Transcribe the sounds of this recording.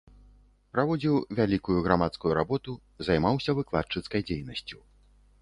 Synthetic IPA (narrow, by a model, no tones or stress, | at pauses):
pɾavɔd͡zʲiwvʲalʲikujuɣɾamat̪skujuɾabɔt̪u | zajmawsʲɐvɨklˠat͡ʂɨt̪skɐjd͡zʲejnɐsʲt͡sʲu